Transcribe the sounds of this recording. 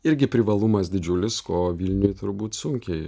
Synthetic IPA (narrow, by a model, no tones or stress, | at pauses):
ɪɾʲɡʲɪpʲɾʲɪʋɐlˠʊmɐsd̪ʲɪd͡ʒʲʊlʲɪskoːʋʲilʲnʲʊjt̪ʊɾbuːt̪sʊŋʲkʲɛɪ